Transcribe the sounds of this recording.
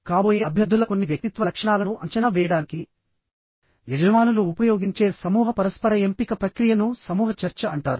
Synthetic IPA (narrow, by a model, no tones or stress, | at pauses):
kaːboːjeːɐbʱjɐd̪ːulɐko̞nːiʋjɐk̚t̪it̪ʋɐlɐkʂɐɳaːlɐnuʔɐɲt͡ʃɐnaːʋɛːjɐɽaːniki | ʋed͡ʒɐʋaːnuluːpɐjoːɡiɲt͡ʃe̞ːsɐmuːɦɐpɐɾɐspɐɾɐempikɐpɾɐkɾijɐnusɐmuːɦɐt͡ʃɐɾt͡ʃɐɐɳʈaːɾu